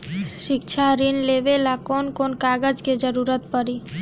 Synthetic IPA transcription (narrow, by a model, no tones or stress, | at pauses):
ʃikt͡ʃʰaɾinlebelakonkonkaɡəd͡ʒked͡ʒəɾuɾət̪pəɾi